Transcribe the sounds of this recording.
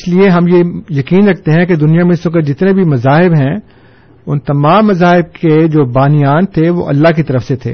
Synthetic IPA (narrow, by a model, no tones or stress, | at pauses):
ɪslieɦɐmjejɐkiːnɾɐk̚ʰt̪eɦɛ̃ked̪ʊnijamẽsʊ̃ked͡ʒɪt̪nebʱimɐzaːɦɪbɦɛ̃ | ʊnt̪ɐmaːmːɐzaːɦɪb̚ked͡ʒoːbaːnɪjaːnt̪ʰeʋo̰ːʔɐ̰lːaɦkit̪ɐɾəfset̪ʰḛː